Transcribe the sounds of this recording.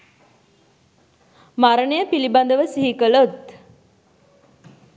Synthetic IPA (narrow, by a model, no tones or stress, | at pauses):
maɾəɳəjəpiliband̪əʋəsiɦikəlot̪